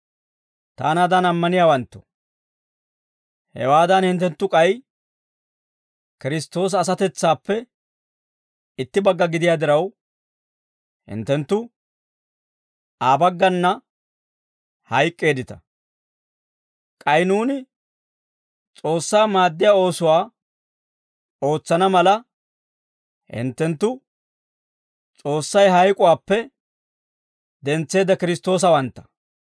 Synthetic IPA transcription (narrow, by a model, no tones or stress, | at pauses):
t̪a̰ːnaːd̪ɐnɐmːɐnɪjaːwɐnt̪ːɔ̥ | hɛ̰waːd̪ɐnhɪnt̪ɛnt̪ːʊkʼɐj | kɪɾɪst̪ːo̞ːs̬ːs̬ɐt̪ɛt͡sːaːpːɛ | ɪt̪ːɪbɐɡːɐɡɪd̪ɪjaːd̪ɪɾɐw | hɪ̰nt̪ːɛnt̪ːʊ | aːbɐɡːɐnːɐ | hɐjkʼːe̞ːd̪ɪt̪ɐ | kʼɐjnuːnɪ | t͡sʼo̞ːsːaːmaːd̪ːɪjaːo̞ːsʊwaː | o̞ːt͡sːɐnɐmɐlɐ | hɪ̰nt̪ːɛnt̪ːʊ | t͡sʼo̞ːsːɐjɦɐjkʼʊwaːpːɛ | d̪ɛnt͡sːe̞ːd̪ɐkɪɾɪst̪ːo̞ːs̬ɐwɐnt̪ːɐ̥